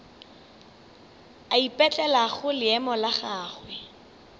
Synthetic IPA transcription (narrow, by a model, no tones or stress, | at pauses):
aipʼɛt͡ɬʼɛlaχʊlɪɛmɔlaχaːχwɛ